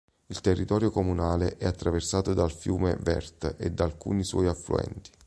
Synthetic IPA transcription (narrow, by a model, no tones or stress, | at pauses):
ilt̪erːit̪ɔːɾjokomunaːleʔɛat̪ːɾaversaːt̪od̪alfjuːmevɛ̰rt̪ed̪ːalkṵːniswɔ̰jaflṵɛ̰nt̪i̥